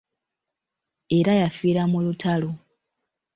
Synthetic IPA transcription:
e̞ɾajafiːɾamulutʰalo

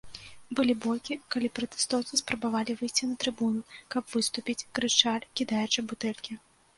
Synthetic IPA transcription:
bɨlʲibɔlʲkʲikalʲipɾɐt̪ɛ̥st̪ɔwt̪sɨspɾɐbavalʲivɨjsʲt͡sʲinɐt̪ɾɨbunukɐpvɨst̪upʲit͡sʲkɾɨt͡ʂalʲkʲid̪ajɛt͡ʂɨbut̪ɛlʲkʲi

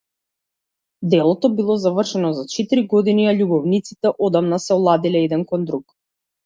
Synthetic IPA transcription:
d̪ɛlˠɔt̪ɔbilˠɔzavr̩ʃɛnɔzat͡ʃɛt̪iɾiɡɔd̪iniaʎubɔvnit̪sit̪ɛʔɔd̪amnasɛɔlˠad̪ilɛɛd̪ɛnkɔnd̪ɾuk

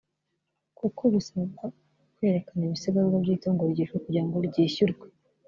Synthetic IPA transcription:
kokʰoβisaβaɡwa | kwe̞ːɾekaneβiseβaβwaβiːtoːŋɡoβiɟiɾokuɾaːŋɡoɾiɟiːçuɾɡwe

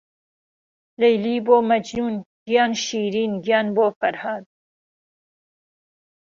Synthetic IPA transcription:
lejliːboːmɐd͡ʒnuːnɡ̥ijɑːnʃiːɾiːnɡijɑːnboːfɐɾhaːd̪̚

